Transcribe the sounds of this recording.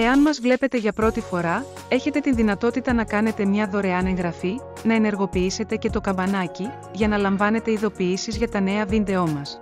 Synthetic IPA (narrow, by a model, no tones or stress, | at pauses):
e̞ɐnmɐzvle̞pe̞t̪e̞ʝɐpɾo̞t̪ifo̞ɾɐ | e̞çe̞t̪e̞t̪inðinɐt̪o̞t̪it̪ɐnɐkɐne̞t̪e̞mɲɐðo̞ɾe̞ɐne̞ŋɣɾɐfi | nɐe̞ne̞ɾɣo̞piise̞t̪e̞ce̞t̪o̞kɐmbɐnɐci | ʝɐnɐlɐɱvɐne̞t̪e̞iðo̞piisizʝɐt̪ɐne̞ɐðind̪e̞o̞mɐs